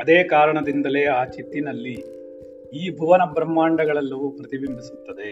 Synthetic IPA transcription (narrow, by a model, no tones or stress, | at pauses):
ɐd̪eːkaːɾɐɳɐd̪ind̪ɐle̞ːaːt͡ʃit̪ːinɐlːi | iːbʱuʋɐnɐbɾɐmːaːɳɖɐɡɐɭɐlːɐʋupɾɐt̪ibimbʱisu̥t̪ːɐd̪e̞